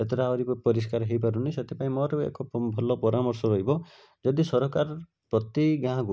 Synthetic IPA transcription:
et̪ɔɾaɔɾipɔpɔɾiskaɾɔɦejpaɾuniset̪ʰepaĩmɔɾɔḛkɔpbʱɔlɔpɔɾamɔɾsɔɾɔɦibɔ | d͡ʒɔd̪isɔɾɔkaɾ | pɾɔt̪iɡãɡu

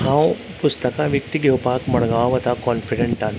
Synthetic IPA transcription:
ɦãõ | pʊst̪əkaʋjək̚t̪iɡoʊpaːkmɐɽɡaːwʋɐt̪akɔːnfɪɖẽɳʈaːn

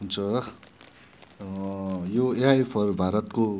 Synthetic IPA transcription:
ɦunt͡sʰʌ | joeajpʰʌrbʱaɾʌt̪ko

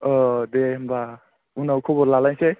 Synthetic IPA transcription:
ɔd̪emba | unawkʰobɔɾlalaj̃se

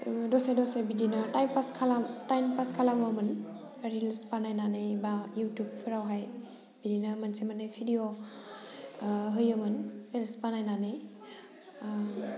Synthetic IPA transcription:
dɔsajdɔsajbidinatajmpaskʰalamtajnpaskʰalamamɯn | ɾilspanajnanejbajutjup̚pʰiɾawɦaj | b̥idinamansemanɯjpʰidio | ɦɯjamɯnɾelspanajnanɯj

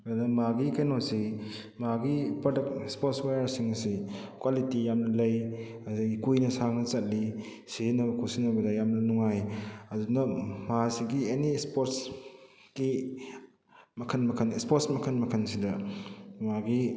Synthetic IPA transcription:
unɐmaɡikɐjnasi | maɡipodɐkspɔtswajɐɾsiŋɐsikwalitijamnɐlɐj | azaikujnɐsaŋnɐt͡ʃɐt̚li | sizinɐbɐkʰusinɐbɐdajamnɐnuŋajɐdunɐmasiɡienispoɾts | ki | mɐkʰɐnmɐkʰɐnspɔɾtsmɐkʰɐnmɐkʰɐnsidɐmaɡi

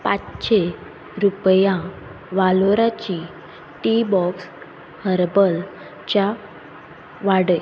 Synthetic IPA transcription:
patɕe | ɾupjã | ʋaloɾat͡ɕi | ʈibɔks | həɾbəl | t͡ɕa | ʋaɽəj

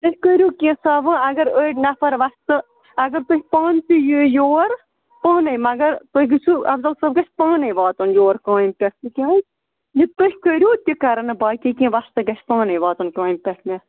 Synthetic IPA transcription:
t̪ɨhʲkəɾʲjoːkʲĩsaːʋɨɐɡɐɾəːʈʲnɐfɐɾʋɐst̪ɨ | ɐɡɐɾt̪ohʲpaːntijɨjoːɾ | paːnɨjmɐɡɐɾt̪ohʲɡɨt͡ʃʰuɐ̰bzɐlsɐb̚ɡɐt͡ʃʰʲpaːnɨjʋaːt̪ɐnjoːɾkãːjmpʲeikʲaːj | jit̪ɨhʲkəɾʲjoːt̪ʲikɐɾɐnɨbaːkʲikʲĩːʋɐst̪ɨɡɐt͡ʃʰpaːnɨjʋaːt̪ɐnkãːjmpʲɐʈʰmʲe

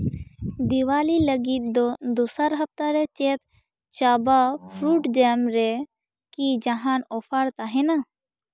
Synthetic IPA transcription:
d̪iwaːliləɡit̪̚d̪ɔd̪osaɾɦɐp̚t̪aɾɛt͡ʃet̪ | t͡ʃabapʰɾuːʈd͡ʒɛmɾɛ | kid͡ʒaɦanɔpʰaɾt̪aɦɛ̃na

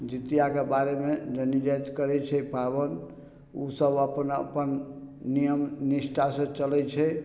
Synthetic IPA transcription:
d͡ʒit̪ijakebaɾemed͡ʒənid͡ʒat̪kəɾɛt͡ʃʰɛipʰabən | usəbəpənə̰pənːijəmnisʈʰasə̃t͡ʃəlɛt͡ʃʰɛ

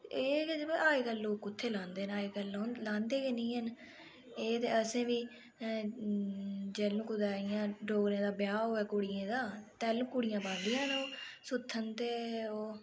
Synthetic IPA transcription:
eːaːiːkəlːoːkʊt̪ʰːeːlãːnd̪eːnaːiːkəlõːlãːnd̪eːkeːnĩːɦən | eːt̪ḛːəsẽːʋiː | d͡ʒɛːlũːkʊd̪aːɪjãːɖoːɡɾẽːd̪aːbjaːɦoːɛːkʊɽɪjẽːd̪aːt̪ɛːlũːkʊɽɪjãːbãːnd̪ɪjãːnoːsʊt̪ʰːənt̪eːoː

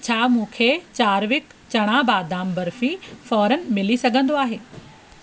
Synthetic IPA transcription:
t͡ɕʰaːmũːkʰeːt͡ɕaːɾʋɪk | t͡ɕɐɽ̃ãbaːd̪aːmbɐɾfĩfɔːɾənɪ̆mɪlisɐɡʱə̃nd̪oaːɦeː

